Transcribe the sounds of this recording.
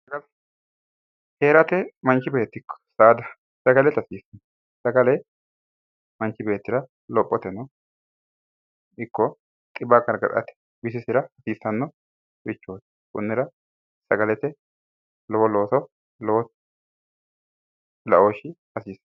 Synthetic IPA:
sɐɡɐl | heːɾɐt̪ɛmɐnt͡ʃːɪbe̞ːt̪ːɪkʰːɔ̥sɐːd̪ɐ | sɐɡɐlɛt̪ɐsiːsɐn | sɐɡɐlɛ | mɐnt͡ʃːɪbe̞ːt̪ːɪɾɐ | lɔpʼːɔt̪ɛnɐ | ɪkːɔ | t̪ʼɪbakɐɾɡɐ̰ɾɐ̰t̪ɛ̥ | bɪsɪsɪɾɐɐsiːsɐnːɔ | bɪt͡ʃːoːt̪ | kʊ̰nːɪɾɐ | sɐɡɐlɛt̪ɛ | lɔwɔloːsɔ | lɔwɔ | lɐʔoːʃɪ | ɐsiːsɐ

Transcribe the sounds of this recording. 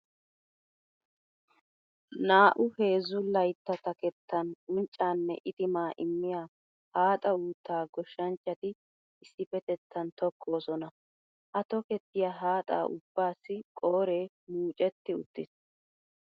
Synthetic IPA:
naːʔʊhe̞ːzʊlɐjt̪ːɐt̪ɐkɛt̪ːɐnʊnt͡ʃʼːaːnːɛ̰ʔɪt̪ɪmaːʔɪmːɪjaː | haːt̪ʼɐuːt̪ːaːɡɔʃːɐnt͡ʃʼːɐt̪ɪ | ɪsːɪfɛt̪ɛt̪ʰːɐnt̪ɔkʰːo̞ːsɔnɐ | ʔɐt̪ɔkɛt̪ːɪjaːɦaːt̪ʼa̰ːʔʊ̰bːaːsːɪkʼoːɾeː | muːt͡ʃʼɛt̪ːɪʊt̪ːɪs

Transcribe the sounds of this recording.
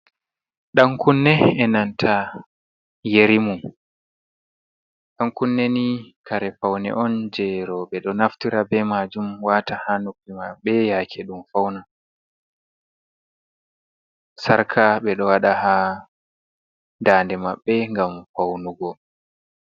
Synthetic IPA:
ɗaŋkunːɛɛnantʰa | jeɾimum | ɗaŋkunːenikaɾɛpawnɛ̰ʔɔnd͡ʒɛɾɔɓɛɗɔnaftiɾabɛmad͡ʒumwatahanukːimaɓːɛjaːkʰɛɗumfawna | saɾkʰaɓɛɗɔwaɗaha | daːndɛmaɓːɛŋɡamfawnuɡɔ

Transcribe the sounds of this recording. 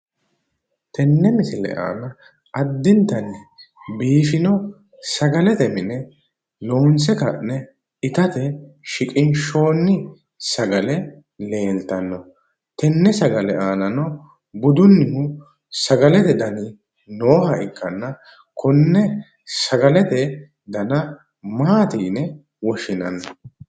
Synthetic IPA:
t̪ɛnːɛmɪsɪlɛ̰ʔa̰ːnɐ | ʔɐd̪ːɪnt̪ɐnːɪbiːfɪnɔ | sɐɡɐlɛt̪ɛmɪnɛ | lo̞ːnsɛkɐnːɛ | ɪt̪ɐt̪ɛʃɪkʼɪnʃo̞ːnːɪ | sɐɡɐlɛ | le̞ːlt̪ɐnːɔ | t̪ɛnːɛsɐɡɐlɛaːnɐnɔ | bʊd̪ʊnːɪhʊ | sɐɡɐlɛt̪ɛd̪ɐnɪ | noːhɐɪkːɐnːɐ | kɔnːɛ | sɐɡɐlɛt̪ɛ | d̪ɐnɐ | maːt̪iːnɛ | wɔʃɪnɐ̰nːɔ

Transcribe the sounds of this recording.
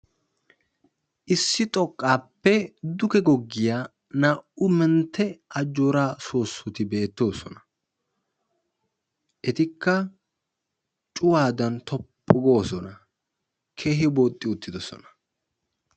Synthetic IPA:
ʔɪsːɪt̪ʼɔkʼːaːpːɛd̪ʊkɛɡɔɡːɪjaː | naʔʊmɛnt̪ːɛʔɐd͡ʒːoːɾaːsoːsːʊt̪ɪbe̞ːt̪ːo̞ːsɔnɐ | ʔɛt̪ɪkːɐ | t͡ʃʼʊwaːd̪ɐnt̪ʰɔpʼːɔɡo̞ːsɔnɐ | kʰe̞ːɦɪboːt̪ʼːɪʊt̪ːɪd̪ɔsɔ̰nɐ̥

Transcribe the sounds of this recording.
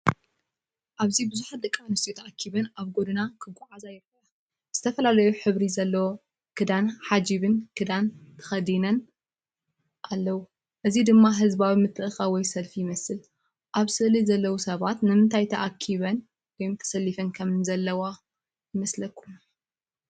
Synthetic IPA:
ʔaβzibɨzuħat̪̚d̪ɨkʼːanɨst̪ʰʼijut̪ʰɐʔakʰːiβɐnaβɡo̞d̪ɨnakʰɨɡʷʼʕazajɪɾxɨʕa | z̥ɨt̪ʰɐfɐlalɐjuħɨβɾizɐlːɐwo | kʰɨd̪anħad͡ʒiβɨnkʰɨd̪ant̪ʰɐ̥xɐd̪inɐn | ʔalːɐwu | ʔɨzid̪ɨmːaɦɨzbawimɨt̪ʼːɨʔɨxawɔjsɐlfijɪmɐsɨl | ʔaβsɨʔlizɐlːɐwusɐβat̪nɨmɨnt̪ʰajt̪ʰɐʔakʰːiβɐn | wɔjmt̪ʰɐ̥sɐlːifɐnkʰɐmnzɐlːɐwa | jɪmɐslɐkʰːu

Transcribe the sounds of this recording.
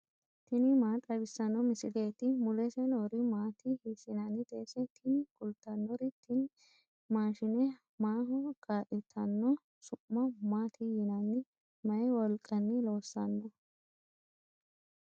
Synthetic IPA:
t̪ɪnɪmaːt̪ʼɐbɪsːɐnːɔmɪsɪleːt̪ɪmʊlɛsɛnɔɾɪmaːt̪ʰɪhɪsɪnɐnɪt̪ʼeːsɛt̪ʰɪnkʼʊlt̪ːɐnːɔɾɪt̪ʰɪn | maːʃɪnɛ | maːɦɔɡ̥aːʔɛt̪ʰːɐnːɔ | sʊʔːɐmaːt̪ʰɪjɪnɐnɪ | mɐjwɔlkʼːɐnːɪlo̞ːsːɐnːɔ

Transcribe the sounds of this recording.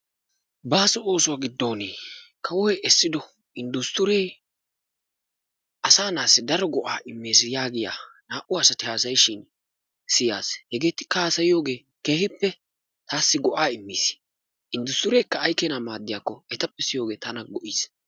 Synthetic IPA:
baːsɔo̞ːsʊwaːɡɪd̪ːo̞ːneːkʰɐwɔhɛʔɛsːɪd̪ɔ | ʔɪnd̪ʊst̪ʊɾeː | ʔɐsaːnaːsːɪd̪ɐɾɔɡɔʔaːʔɪmːeːs̬ɪjaːɡɪja̰ːnaːʔʊɐsɐt̪ɪhaːs̬ɐjʃɪn | sɪja̰ːshɛɡe̞ːt̪ːɪ̥kɐaːsɐjɪjo̞ːɡe̞ː | ke̞ːhɪpːɛ | t̪aːsːɪɡɔʔaːɪmːiːs | ʔɪnd̪ʊst̪ʊɾeːkːɐːjkeːnamaːd̪ːɪjaːkːɔɛt̪ɐpːɛsɪjo̞ːɡe̞ːt̪ɐnɐɡɔʔiːs

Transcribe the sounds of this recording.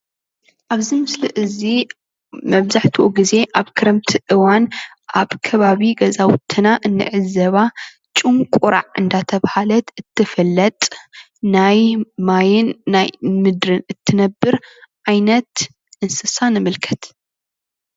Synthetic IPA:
ʔaβzimɨslɨʔɨzi | mɐβzaħt̪ʰuʔuɡize̞ʔaβkʰɨɾɐmt̪ʰiʔɨwan | ʔaβkʰɐβaβiɡɐzawt̪ʰɨnaʔɨnːɨ̰ʕɨzɐβa | t͡ʃʼɨŋkʷʼuɾa̰ʕʔɨnd̪at̪ʰɐβhalɐt̪ɨt̪ʰːɨfɐlːɐt̪ʼ | najmajɪnːajmɨd̪ɾɨnɨt̪ʰːɨnɐbːɨɾʕajnɐt̪ | ʔɨnsɨsanɨmɨlkʰɐ̥t̪

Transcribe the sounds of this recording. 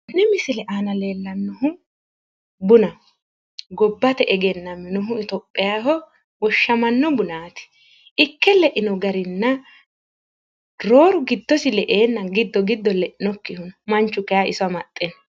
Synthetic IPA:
nɛmɪsɪlɛʔaːnɐle̞ːlːɐnːɔɦʊ | bʊnɐ | ɡɔbːɐt̪ɛʔɛɡɛnːɐmɪnɔɦʊɪt̪ɔpʼːɪjaːɦɔ | wɔʃːɐmɐnːɔbʊnaːt̪ɪ̥ | ɪkːɛlɛʔɪnɔɡɐɾɪnːɐ | ɾo̞ːɾʊɡɪd̪ːɔsɪlɛʔeːnːɐɡɪd̪ːɔɡɪd̪ːɔlɛʔɪnɔkːɪhʊnmɐnt͡ʃːʊkɛjaʔɪsɐmɐt̪ʼːɛn

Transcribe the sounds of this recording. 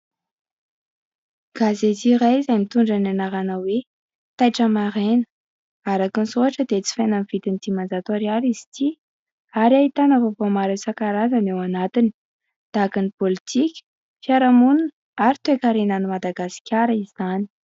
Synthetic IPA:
ɡ̥azet̪iɾajzajmit̪uɳɖ͡ʐananaɾanawe | t̪ajʈ͡ʂəmaɾenə̥ | aɾakinsuɦaʈ͡ʂəd̪et͡si̥fejnanv̥it̪init̪imand͡zat̪oɾiaɾiz̥i̥t̪ʰi | aɾiaɦit̪anavovomaɾesakaɾazanewanat̪ini̥ | d̪̥akinipolit̪ʰikʲə̥ | fiaɾamunun | aɾit̪uekaɾenanumad̪aɡasi̥kʲaɾəiz̥ani̥

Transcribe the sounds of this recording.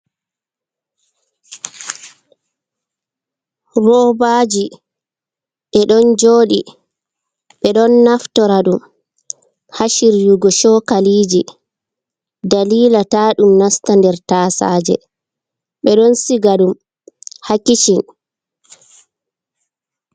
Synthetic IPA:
rɔbad͡ʒi | ɓɛɗɔnd͡ʒoːɗi | ɓɛɗɔnːaftɔɾaɗum | haʃiɾjuɡɔʃɔkaliːd͡ʒi | daliːlataːɗumnastandɛɾtaːsa̰ːd͡ʒɛ̰ | ɓɛɗɔnsiɡaɗum | hakit͡ʃin

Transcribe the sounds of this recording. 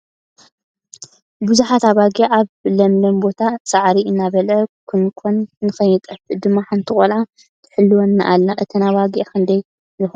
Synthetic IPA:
buzuħat̪aβaɡieʔaβlɐmlɐmbo̞t̪ʰasʼaʕɾiɨnːaβɐlʕɐkʰɨnkʰonːɨxɐjːɨt̪ʼɐfɨd̪ɨmːaħant̪ʰɨkʼolʕa | t̪ʰɨ̥ħɨlːuwonːaʔalːaʔɨt̪ʰinaβaɡikʰɨnd̪ɐj | jɨx

